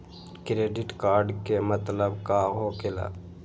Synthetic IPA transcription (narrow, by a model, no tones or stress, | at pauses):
kɾeːɖɪʈkaːɾɖkemət̪ləbkaɦokela̰ː